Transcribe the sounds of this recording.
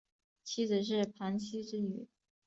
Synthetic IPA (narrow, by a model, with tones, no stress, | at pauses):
t͡ɕʰi˥d͡zɹ̩˨˩ʂ̬ɻ̩˥˩pʰa˧˥nt͡ɕʰi˥ʈ͡ʂɻ̩˥y̰˨˩˦